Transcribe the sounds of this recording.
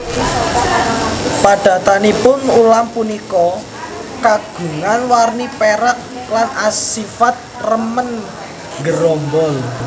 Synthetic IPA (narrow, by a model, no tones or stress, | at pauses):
pad̥ä̤t̪anipʊnulampunikɔ | kaɡ̥ṳŋanwarnipeɾat̚ | lanasifat̪̚rəmən | ŋɡəɾɔmbɔl